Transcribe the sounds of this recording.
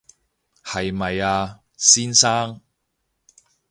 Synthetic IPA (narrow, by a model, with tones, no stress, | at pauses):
hɐ˨jmɐ˨jaː˧ | siː˥nsaː˥ŋ